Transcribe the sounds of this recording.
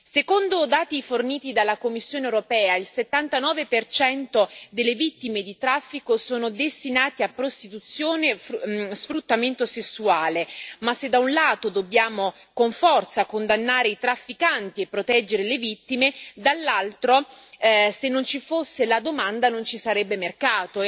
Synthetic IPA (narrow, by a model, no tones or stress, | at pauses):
sekond̪od̪aːt̪iforniːt̪id̪alːakomːisːjoːnewɾopɛːailset̪ːant̪anɔːvepert͡ʃɛnt̪od̪elːevit̪ːimed̪it̪ɾafːikosoːnod̪est̪inaːt̪eapːɾost̪it̪ut̪sːjoːnesfɾut̪ːament̪osesːuaːlemasːed̪aunlaːt̪od̪obːjaːmo | koɱfɔrt̪sakond̪anːaːɾeit̪ɾafːikant̪iepːɾot̪ɛd͡ʒːeɾelevit̪ːimed̪alːalt̪ɾo | senːont͡ʃifosːelad̪omand̪anont͡ʃisaɾɛbːemerkaːt̪o